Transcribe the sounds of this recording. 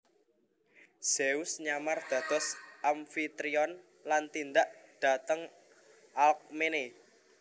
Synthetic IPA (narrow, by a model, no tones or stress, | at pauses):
z̥eusɲamard̪̥ä̤d̪̥ɔ̤sʔamfit̪ɾiɔn | lant̪ind̪aʔɖ̪̥a̤t̪əŋ | ʔalk̚mene